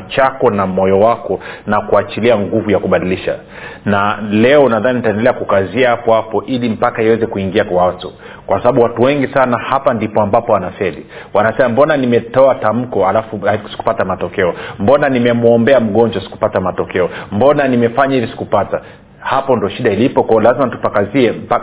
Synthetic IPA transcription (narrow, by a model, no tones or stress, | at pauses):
t͡ʃakɔnamɔjɔwakɔnakuat͡ʃiliaŋɡuvujakuɓaɗiliʃa̰ | nalɛɔnaðaninitaɛndɛlɛakukaziahapɔhapɔʔilim̩pakaiwɛzɛkuiŋɡiakwaatu | kwasaɓaɓuwatuwɛŋɡisanahapandipɔambapɔwanafɛli | wanasɛmambɔnanimɛtɔatam̩kɔalafusi̥ku̥patamatɔkɛɔmbɔnanimɛmuɔmbɛam̩ɠɔnd͡ʒasi̥ku̥patamatɔkɛɔmbɔnanimɛfaɲaivisi̥kupata | hapɔndiɔʃiɗailipɔkwaɔlazimatu̥pakaziɛm̩pa